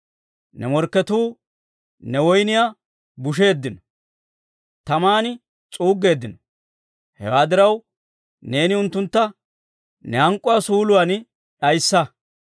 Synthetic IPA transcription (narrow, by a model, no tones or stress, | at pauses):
nɛmɔɾkːɛt̪uː | nɛwɔjnɪja | bʊʃ̬e̞ːd̪ːɪnɔ | t̪ɐmaːnɪ | t͡sʼuːɡːe̞ːd̪ːɪnɔ | hɛ̰waːd̪ɪɾɐw | ne̞ːnɪʊnt̪ːʊnt̪ːɐ | nɛhɐŋkʼːʊwasuːlʊwan | ᶑɐjsːɐ